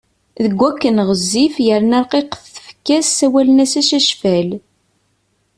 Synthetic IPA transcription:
ðəɡʷːækːənʁəzːifjəɾnɑɾqeqθθə̥fkːæsːæwælənæsæʃæʃfæl

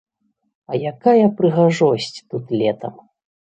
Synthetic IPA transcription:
ɐjakajɐpɾɨɣaʐɔsʲt͡sʲt̪ut̪lʲɛt̪ɐm

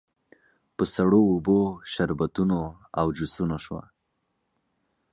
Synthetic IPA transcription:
pəsaɽoːboʃaɾbat̪uno | awd͡ʒusunoʃwa̰

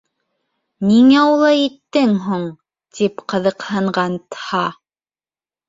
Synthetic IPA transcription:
niŋæulˠɑjit̪ːɘŋɦuɴ | t̪ipqɤ̆ðɤ̆qhɤ̆ɴɢɑnt̪hɑ

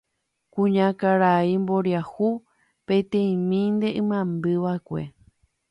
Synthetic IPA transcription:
kũɲãkaɾaimbo̞ɾjahu | pẽ̞t̪ẽĩmĩnd̪e̞ʔɨ̃mãmbɨʋaekʷe̞̰

